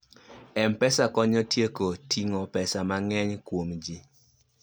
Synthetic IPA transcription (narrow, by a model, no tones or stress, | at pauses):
ɛmpɛsakɔɲɔtjekotʰiŋɔpɛsamaŋɛɲkwomd͡ʒi